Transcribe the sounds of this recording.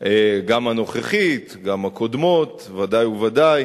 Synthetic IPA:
eɡamano̞χeχit̪ɡamakod̪mo̞t̪ | vad̪ajuvad̪aj

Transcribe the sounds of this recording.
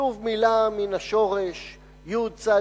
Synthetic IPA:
uvmilaminaʃo̞ʁeʃ | jud̚t͡sa

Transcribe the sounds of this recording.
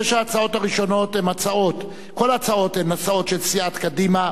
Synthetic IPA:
eʃaːt͡sao̞taʁiʃo̞no̞themat͡sao̞t̪ | ko̞laat͡sao̞t̪hemat͡sao̞tʃelsiat̪kadima

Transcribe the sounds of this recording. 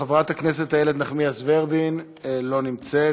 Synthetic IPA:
avʁat̪aknes̬e̞t̪ajeled̪naχmiasveʁbin | lo̞nimt͡se

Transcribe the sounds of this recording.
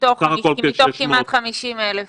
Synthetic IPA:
t̪oχaot̪okimmat̪χamiʃimelef

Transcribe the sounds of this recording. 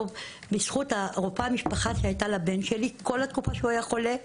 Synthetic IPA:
v | bisχutaʁopamiʃpaχaʃeajt̪alabenʃeliko̞lat̪kufaʃeuajaχo̞le

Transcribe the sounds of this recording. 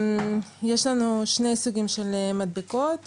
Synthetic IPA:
jeʃlanuʃnejsuɡimʃelmad̪̚bikot̪

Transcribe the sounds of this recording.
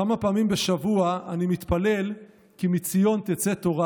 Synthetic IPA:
amapaːmimbeʃavuaanimit̪pale̞l | kimit͡sijo̞nt̪et͡set̪o̞ʁa

